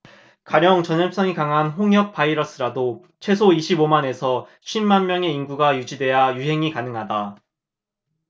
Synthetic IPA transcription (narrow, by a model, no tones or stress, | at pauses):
kaɾjʌŋt͡ɕʌnʌɭp̚s͈ʌŋikaŋɦanɸoŋjʌk̚p͈aiɾʌs͈ɯɾado | t͡ɕʰwe̞s̬ʰoiɕʰibomane̞sʰʌ | ɕʰinːanmjʌŋe̞inɡuɡajud͡ʑidwe̞jajuɦe̞ŋikanɯŋɦada